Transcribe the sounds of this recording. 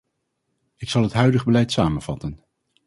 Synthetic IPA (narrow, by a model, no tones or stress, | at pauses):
ɪksɑlˠɦətɦœɥdəχbəlɛjtsaːmənv̥ɑtən